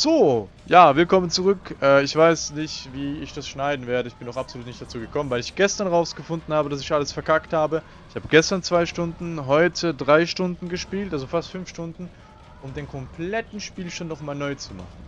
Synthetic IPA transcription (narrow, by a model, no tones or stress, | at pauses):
z̥oː | jaːvɪlkʰɔmənt͡suʁʏkʔɛːɪçv̥aɪsnɪçtv̥iːɪçd̥asʃnaɪdn̩veːɐdəɪçb̥ɪnaʊxapszoluːtnɪçtd̥at͡suːɡəkʰɔmənvaɪlɪçɡ̥ɛstɐnʁaʊsɡ̥əfʊndn̩haːbədasɪçʔaləsfɛɐkʰakthaːbə | ɪçhaːbəɡɛstɐnt͡sv̥aɪʃtʊndn̩ɦɔʏtʰədʁaɪʃtʊndn̩ɡəʃpiːltalzofastfʏnfʃtʊndn̩ | ʔʊmdeːnkʰɔmplɛtn̩ʃpiːlʃonɔχmaːlnɔʏt͡suma̰χnn̩